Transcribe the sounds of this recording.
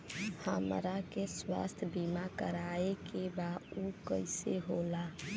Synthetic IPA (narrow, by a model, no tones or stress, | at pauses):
hamɾakeswa̰st̪ʰbimakəɾaekebaukəɪseɦola